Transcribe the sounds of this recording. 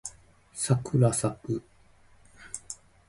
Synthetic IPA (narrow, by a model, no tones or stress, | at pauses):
sakɯɾasapɯ